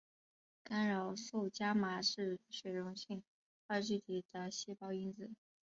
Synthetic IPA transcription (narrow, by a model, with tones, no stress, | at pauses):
ka˥nɻo˨˩ʊsu˥˩ʊt͡ɕja˥ma˨˩ʂɻ̩˥˩ʂwɛ˨˩ɪɻʊ˧˥ŋɕi˥˩ŋ | ə˧t͡ɕy˥˩t̪ʰi˨˩d̪̥ə˦ɕɛ˥pɑ˥ʊi˥nd͡zɹ̩˩˦